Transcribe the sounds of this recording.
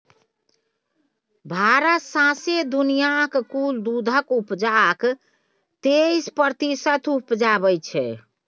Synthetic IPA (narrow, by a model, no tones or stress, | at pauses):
bʱaɾasãsed̪unijakkuld̪ud̪ʱəkupd͡ʒak | t̪eispəɾt̪isət̪ʰupd͡ʒabəjt͡ʃʰɛ̰